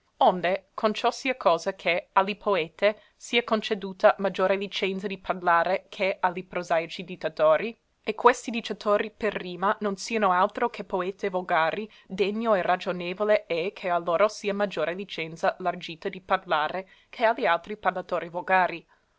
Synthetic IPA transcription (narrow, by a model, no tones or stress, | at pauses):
ond̪ekʰont͡ʃɔsiːakʰɔːzakʰealːipʰoɛːt̪e | siːakont͡ʃed̪uːt̪amad͡ʒoːɾelit͡ʃɛnt̪sad̪iparlaːɾekʰealipɾozajt͡ʃid̪it̪ːat̪oːɾi | ekːwest̪id̪it͡ʃ̪at̪ʰoːɾiperːiːmanonsiːanoalt̪ɾokʰepoeːt̪evoɡaːɾi | d̪eɲːoɛrad͡ʒoneːvoleɛkʰealːoːɾosiːamad͡ʒoːɾelit͡ʃɛnt̪salard͡ʒiːt̪ad̪iparlaːɾe | kʰealialt̪ɾiparlat̪oːɾivoɡaːɾi